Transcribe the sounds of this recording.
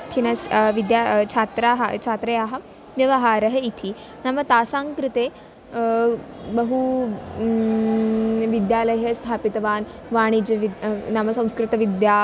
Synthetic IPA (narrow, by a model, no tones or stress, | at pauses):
t̪ʰinɐsʋid̪jat͡ʃʰaːt̪ɾaɦɐ̰t͡ʃʰaːt̪ɾejaɦɐ | ʋjɐʋɐɦaːɾɐɦəit̪ʰi | namɐt̪aːsãŋkɾɪt̪e | bəɦu | ʋid̪jaːlɐjɦɐst̪ʰaːpit̪ɐʋaːn | ʋaːɽ̃id͡ʑeʋinamɐsɐ̃w̃skɾɪt̪ɐʋid̪ja